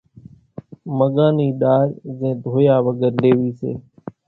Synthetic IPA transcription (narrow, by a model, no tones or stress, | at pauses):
məɠaːniːɗaːɾzɛ̃ːd̪ʱoːjaːʋəɡəɾleːʋiːsḛː